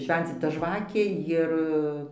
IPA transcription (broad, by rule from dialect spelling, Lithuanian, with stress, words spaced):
ˈʃʲʋʲɛnʲt͡sʲɪtɐ ˈʒʋɑːkʲeː ˈjɪr